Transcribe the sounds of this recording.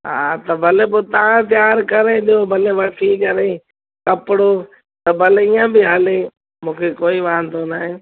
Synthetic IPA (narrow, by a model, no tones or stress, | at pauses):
ɦaːt̪əbʱəleːboːt̪aãːt̪jaːɾkəɾeːɗ̪ɪjoːbʱəleːʋəʈʰiːkəɾeː | kəpɽoː | t̪əbʱəleːiːãːbɪɦaːleː | mũːkʰeːkoːiːʋaːə̃nd̪oːnaːɦẽː